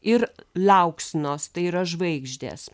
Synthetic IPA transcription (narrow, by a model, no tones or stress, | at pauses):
ɪɾlˠɐʊksʲnoːst̪ɐɪiːɾɐʒʋɐɪɡʒʲd̪ʲḛːs